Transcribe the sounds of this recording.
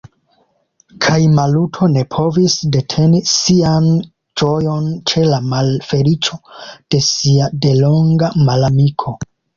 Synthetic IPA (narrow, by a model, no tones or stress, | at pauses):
kʰajmalutʰo̞ne̞pʰo̞visde̞tʰe̞nisian | d͡ʒo̞jo̞nt͡ʃe̞lamalfe̞lit͡ʃo̞d̥e̞siade̞lo̞ŋɡamalamikʰo̞